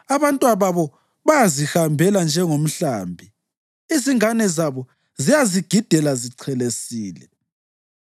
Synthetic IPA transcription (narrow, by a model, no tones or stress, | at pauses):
aβantʼwaβaβɔ | βajazihambʱɛland͡ʒʱɛŋom̩ɬaːmbʱi | iziŋanɛzaβɔ | zijaziɡ̥ʱid̥ʱɛlaziǀʰɛlesiːlɛ